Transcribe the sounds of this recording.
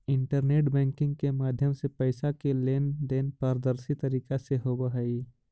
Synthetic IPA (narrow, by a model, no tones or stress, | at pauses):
ɪ̃ɳʈəɾneːʈbɛ̃ːŋkɪ̃ŋɡkemaːd̪ʱjəmsepəɪsakeleːnɖ̪eːnpaːɾd̪əɾsit̪əɾiːkaseɦobaɦɐi